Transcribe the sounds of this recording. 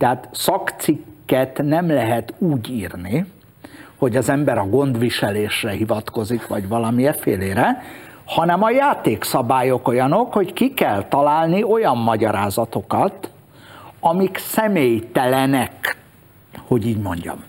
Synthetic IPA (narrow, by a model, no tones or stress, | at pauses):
t̪ɛɦaːt̪sɒkt̪sikːɛt̪nɛmlɛɦɛt̪uːɟiːrni | ho̞ɟɒzɛmbɛɾɒɡo̞nd̪ʋiʃɛleːʃrɛɦivɒt̪ko̞zikʋɒɟʋɒlɒmijɛfeːleːɾɛ | hɒnɛmɒjaːt̪eːksɒbaːjo̞ko̞jɒno̞kho̞ckikɛlt̪ɒlaːlnio̞jɒmːɒɟɒɾaːzɒt̪o̞kɒt̪ | ɒmiksɛmeːjt̪ɛlɛnɛk | ho̞ɟiːɟmo̞ɲɟɒ̰m